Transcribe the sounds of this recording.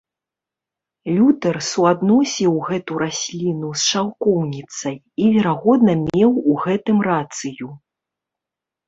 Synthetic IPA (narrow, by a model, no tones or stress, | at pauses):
lʲut̪ɛrsuad̪nɔsʲiwɣɛt̪uɾasʲlʲinusʂawkɔwnʲit̪sɐj | ivʲɛɾaɣɔd̪nɐmʲɛwuɣɛt̪ɨmrat̪sɨju